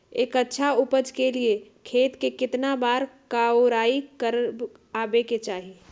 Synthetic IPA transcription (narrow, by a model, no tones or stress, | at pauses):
eːkətːʃʰaupəd͡ʒʱkelie | kʰeːt̪kekɪt̪nabaːɾkaoɾaːikəɾb | aːbeket͡ʃaːɦi